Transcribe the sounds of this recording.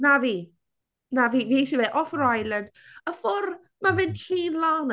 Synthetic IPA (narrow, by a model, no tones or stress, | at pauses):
naviː | naviːviːiʃivɛʔɔfɾajlənd̥əfɔr | mavɪnɬʰiːnlawn